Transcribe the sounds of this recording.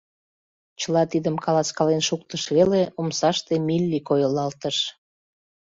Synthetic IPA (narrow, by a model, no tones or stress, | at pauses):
t͡ɕəlɑt̪id̪əmkɑlɑt͡skɑlenʃuk̚t̪əʃβeleomsɑʃt̪emilʲːikojəlɑlt̪əʃ